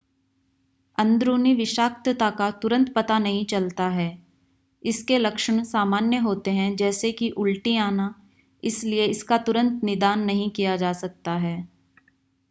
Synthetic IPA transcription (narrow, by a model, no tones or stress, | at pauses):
ɐ̃nd̪ɾuːniʋɪʃaːkt̪t̪akat̪ʊɾə̃nt̪pɐt̪anɐɦĩt͡ʃɐlt̪aɦɛː | ɪskelɐkʃəɽ̃saːmaːnjəɦoːt̪eɦɛ̃d͡ʒɛːsekiʔʊlʈiaːna | ɪslieɪskat̪ʊɾə̃nt̪nɪd̪aːnːɐɦĩkijad͡ʒaːsɐk̚t̪aɦɛː